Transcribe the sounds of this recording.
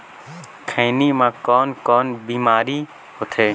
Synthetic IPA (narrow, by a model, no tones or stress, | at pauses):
kʰə̃ːnimãːkɔːnkɔːnbiːmaːɾiː | hot̪ʰeː